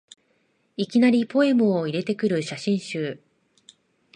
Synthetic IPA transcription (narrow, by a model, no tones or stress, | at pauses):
ikʲinaɾʲipo̞e̞mɯ̟oiɾe̞t̪e̞kɯ̟ɾɯ̟ɕaɕĩɰ̃ɕɨː